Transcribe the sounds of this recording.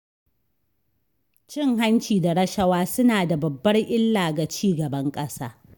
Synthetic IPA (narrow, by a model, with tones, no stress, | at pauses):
t͡ʃɪ˦˨ŋɦa˦nt͡ʃiː˨da˨ɾɐ˦ʃɐ˦waː˦sʊ˦naː˨da˨bɐ˨bːɐ˦rʔɪ˦lːaː˨ɡa˨t͡ʃiː˦˨ɡɐ˨bɐ˦ŋkʼɐ˦saː˦